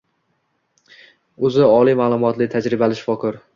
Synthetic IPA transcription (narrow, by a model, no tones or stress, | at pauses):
ɵzɪɒlˠijmaːlˠʊmɒt̪lɪt̪ʰad͡ʒɾɪbalɪʃfɒkʰɪɾ